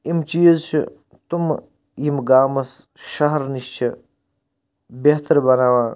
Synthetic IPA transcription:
imt͡ʃiːzt͡ʃʰḭ | t̪um | jimɡaːmɐs | ʃɐɦɾniʃt͡ʃʰi | beɦt̪ɐɾbɐnaːʋaː

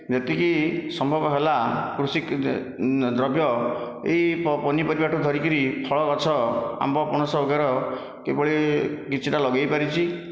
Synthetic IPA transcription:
d͡ʒet̪ikisɔmbʱɔbɔɦelakɾusik | d̪ɾɔbjɔ | ḛɦippɔnipɔɾibaʈʰud̪ʱɔɾikɔɾipʰɔɭɔkɔt͡ʃʰɔa̰mbɔpɔɽ̃ɔsɔɔɡaɾɔ | kebɔɭikit͡ʃʰiʈalɔɡejpaɾit͡ʃʰi

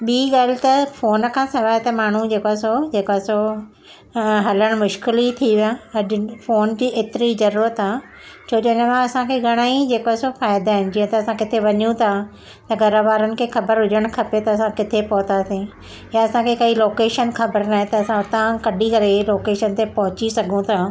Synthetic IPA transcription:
ɓiːɠaːl̤ɪt̪ɐfoːnkʰãːsɐʋaːɪt̪ɐmaːɳ̤ud͡ʑeːkoasod͡ʑeːkoaso | ɦɐləɽ̃mʊʃkɪlit̪ʰiʋjãɐʄʊfoːnd͡ʑiːʔeːt̪ɪɾizɐɾuːɾət̪a | t͡ɕʰoːɗonəmãɐsãkʰeɡʱɐɽ̃aːid͡ʑeːkoasofaːɪd̪aːɦɪn̆d͡ʑiːə̃t̪ɐɐsãkɪt̪ʰeʋɐɲjũt̪ʰa | t̪ɐɡʱɐɾaʋaːɾənɪ̆kʰexɐbəɾɦʊd͡ʑʱəɽ̃kʰɐpet̪ɐɐsãkɪt̪ʰepɐɦʊt̪asĩ | jaɐsãkʰekɐiloːkeːʃənxʰɐbəɾnaːɦɛ̃t̪ɐɐsãt̪ãkɐɗʱikɐɾeloːkeːʃənt̪epɐɦʊt͡ɕisɐɡʱũt̪ʰaː

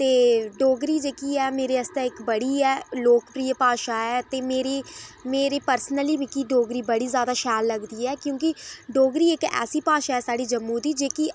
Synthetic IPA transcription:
t̪eːɖoːɡɾiːd͡ʒeːkiːɛːmeːɾeːəst̪ẽɪkbəɽiːɛːloːkpɾiːəpaːʃaːɛːt̪eːmeːɾiːmeːɾiːpəɾsnəliːbikiɖoːɡɾiːbəɽiːzjaːd̪aːʃɛːlləɡd̪iːɛːkjõːkɪɖoːɡɾiːɪkɛ̰ːsiːpaːʃaːɛːsaːɖiːd͡ʒəmːuːd̪iːd͡ʒeːki

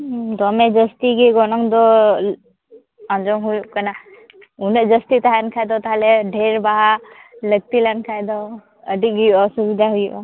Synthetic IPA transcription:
d̪ɔmɛd͡ʒəst̪iɡiɡɔnɔŋd̪ɔ | ãnd͡ʒɔŋɦujkana | unəd͡ʒəst̪it̪aɦankʰajd̪ɔt̪aɦalɛɖʱɛɾbaɦaləɡ̚t̪ilankʰajd̪ɔ | əɖiɡujʔɔsubid̪ʱaɦujʔa

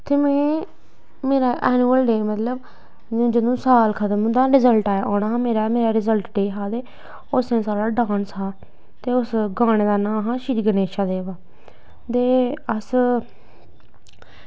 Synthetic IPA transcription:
t̪eːmɛ̃ː | meːɾaːʔɛːnuːəlɖeːmət̪ləb | d͡ʒɪd̪ũːsaːlkʰət̪əmũːd̪aːɾɪzəlʈaːaːʔoːñaːɦãːmeːɾaːmeːɾaːɾɪzəlʈɖeːɦaːd̪eː | ʊsnẽːsaːɾaːɖãːnsaː | t̪eːʊsɡaːɽ̃eːd̪aːnãːɦãːʃiɾiɡəneːʃaːd̪eːʋaː | t̪eːəs

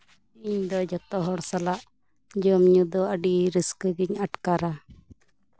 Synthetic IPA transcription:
iɲd̪ɔd͡ʒɔt̪ɔɦɔɽsalaʔ | d͡ʒɔmɲud̪ɔəɖiɾiskɡiɲaʈkaɾa

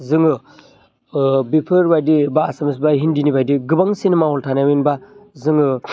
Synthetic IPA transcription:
zɯŋɯ | bipʰɯɾbajdibaːsamɯs̬baɦindinibajdiɡɯbaŋsinemaɦɔltʰanawinbazɯŋɯ

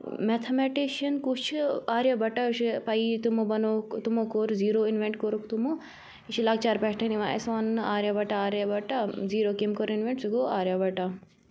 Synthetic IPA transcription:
met̪ʰɐmeʈiʃɐnkut͡ʃʰaːɾjabɐʈaʃipɐit̪umobɐnoːkt̪umokoːɾziːɾoːinʋeɳʈkoɾukt̪umo | iʃilaːɡ̚t͡ʃaːɾpɛʈʰɐniʋaːḛsanaːɾjabɐʈaaːɾjabɐʈaziːɾoːkimkoːɾinʋeɳʈsukoaːɾjabɐʈa

